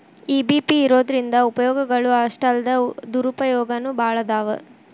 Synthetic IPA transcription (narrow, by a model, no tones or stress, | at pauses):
iːbiːpiːɾoːd̪ɐɾind̪ɐupɐjɔːɡɐɡɐɭuɐʂʈɐld̪ɐd̪uɾupɐjɔːɡɐnubʱaːɭɐd̪aːʋɐ̰